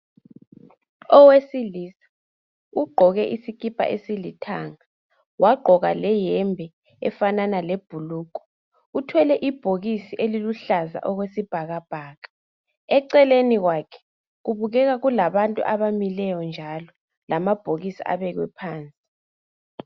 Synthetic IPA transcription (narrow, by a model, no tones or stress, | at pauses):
ɔwesiliːsḁ | uɡ͡ǃʱɔɣɛʔisikʰʼipʰʼa̰ʔesilitʰa̰ŋa | wʔaɡ͡ǃʱɔɣalɛjɛmbʱɛ | ɛ̰fananaleb̥ʱuluːk̬ʼɔ̥ | utʰwɛlɛʔib̥ʱoɣisiʔeliluɬaza̰ʔɔɣwesib̥ʱaɣab̥ʱaːɣḁ | ɛǀɛleniɣwaːkʰɛ̥ | ɣuβuɣɛɣaɣulaβantʼṵʔaβamilɛjɔnd͡ʒʱalɔ | lamab̥ʱoɣisḭʔa̰βɛɣwɛ̰pʰaːnt͡sʼi